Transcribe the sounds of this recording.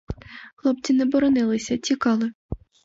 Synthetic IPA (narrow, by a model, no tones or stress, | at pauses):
xlˠɔpt͡sʲinɛbɔɾɔnɪlˠɪsʲɐt͡sʲikɑlˠɪ